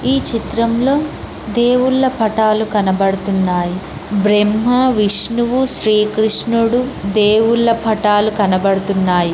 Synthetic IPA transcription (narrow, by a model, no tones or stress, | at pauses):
iːt͡ʃit̪ɾɐmlo̞ː | d̪e̞ːwuɭːɐpʰɐʈaːlukɐnɐbɐɽɐt̪unːaːji | bɾemːɐʋiʂnuʋuʃɾiːkɾiʂnuɽud̪eːwuɭːɐpʰɐʈaːlukɐnɐbɐɽɐt̪unːaːji